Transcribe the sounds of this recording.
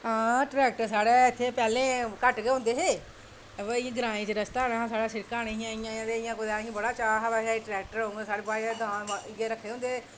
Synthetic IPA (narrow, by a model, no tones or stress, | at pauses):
ɦãːʈɾɛːk̚ʈəɾsaːɽeːɪt̪ʰːeːpɛːlẽːkəʈɡeːõːnd̪eːɦeː | ʋeɪ̃ɡɾãːĩːt͡ʃəɾəst̪aːɽaːɦãːsaːɽaːsɪɾkaːneːɪjãːɪjãːãːd̪eɪjãːkʊd̪aːɪãbəɽaːt͡ʃaːɦabɛːsaːiʈɾɛːk̚ʈəɾɦoŋɡeːsaːɽeːbaːid̪ãːnɪɡeːɾəkʰːeːɦõnd̪eː